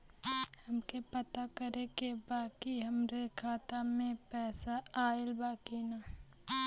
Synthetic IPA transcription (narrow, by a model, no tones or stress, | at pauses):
hɐmkepɐt̪akəɾekebaːkiɦɐmɾekʰaːt̪amẽpɛːsaaːɪlbaːkina